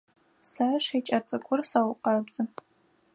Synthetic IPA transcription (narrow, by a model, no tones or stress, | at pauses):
saʂet͡ʃʼɐt͡sʼɨɡʷʼʊrsawʷʊqɑbd͡zʼɨ